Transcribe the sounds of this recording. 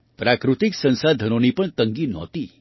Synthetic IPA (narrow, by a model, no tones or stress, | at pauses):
pɾakɾut̪iksə̃nsad̪ʱənonipəɳt̪ə̃ŋɡinɔ̰t̪i